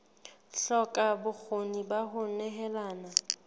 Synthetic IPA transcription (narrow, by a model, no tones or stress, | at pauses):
ɬɔkʼabʊk͡xʰonibaɦʊnɛɦɛlaːna